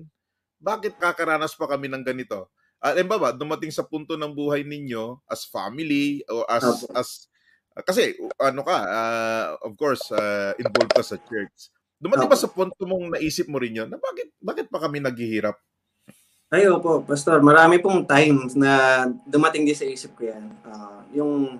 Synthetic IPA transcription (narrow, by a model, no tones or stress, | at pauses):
baːkɪt̪̚kakɐɾaːnɐspɐkɐmɛnɐŋɡɐnɪt̪o̞ | ʔɐlɪmbabɐd̪ʊmɐt̪ɪŋsɐpunt̪onɐŋbuːhɐjnɪɲjo̞ʔɐsfa̰mɪliʔoʔɐʔɐs | ʔkɐs̬ɛʔɐnokɐaːofkoɹsaʔɪnvolvkɐsɐt͡ʃɛɹt̪s | d̪ʊmɐt̪ɪŋbɐsɐpunt̪omoŋnɐʔiːsɪp̚moɾɪnjonːɐbaːkɪt̪̚baːkɪt̪̚pɐkɐmɛnɐɡ̚hɪhiːɾɐp̚ | ʔɐjopopɐst̪oɹmɐɾaːmɪpʊŋt̪ajmsnɐd̪ʊmɐt̪ɪŋd̪ɪnsɐʔiːsɪp̚kojanajʊŋ